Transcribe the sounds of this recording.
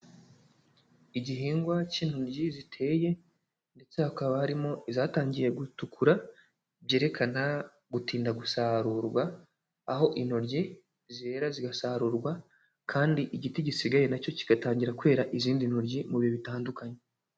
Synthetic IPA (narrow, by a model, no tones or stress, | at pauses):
iɟiɦiːŋɡwaciːn̥huɾɟizitʰe̞ːje̞ | nde̞t͡sehakaβahaɾimo̞izaːtaːɲɟije̞ɡutukʰuɾa | bje̞ːɾe̞kʰana | ɡutiːndaɡusaɾuɾɡwaː | ɦo̞ʔino̞ɾɟi | ziɾe̞ːɾaziɡasaɾuːɾɡwa | kʰaːndiʔiɟitiɟisiɡaje̞naco̞ci̥ɡataːɲɟiɾakwe̞ːɾaʔiziːndinhoɾɟimuβioβitaːndukaɲe